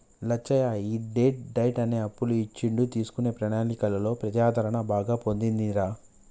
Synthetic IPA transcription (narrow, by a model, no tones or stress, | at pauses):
lɐt͡ʃːɐjaːiɖe̞ːʈ̚ɖɐjʈɐne̞ːɐpːuluit͡ʃːiɳɖut̪iːsu̥kuneːpɾɐnaːnikɐlɐlo̞ːpɾɐt̪jaːd̪ʱɐɾɐɳɐbaːɡaːpo̞nd̪ind̪iɾaː